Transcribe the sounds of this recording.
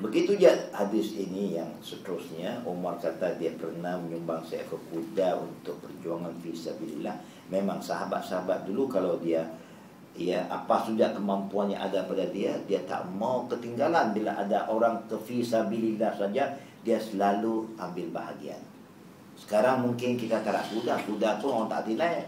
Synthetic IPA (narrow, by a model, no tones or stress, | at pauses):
bəɡit̪ud͡ʒaʔhadɪsinijaŋsət̪əɾʊsɲaumarkat̪adiapərnahməɲumbaŋsaja̰kəkudaṵnt̪ʊk̚pərd͡ʒuaŋanfisabilḭlah | memaŋsaɦaba̰t̪̚saɦabat̪̚dulukalawdia | ijaʔa̰pasudaʔkəmampuanja̰ŋʔa̰dapadadiadiat̪a̰ʔmawkət̪iŋɡalanbila̰ʔadaʔoɾaŋkəfisabililahsad͡ʒa | diasəlaluambɪlbaɦa̰ɡia̰n | sə̥kaɾaŋmuŋkɪnkit̪at̪aɾa̰ʔkudahkudat̪ʊant̪a̰ʔt̪ilaj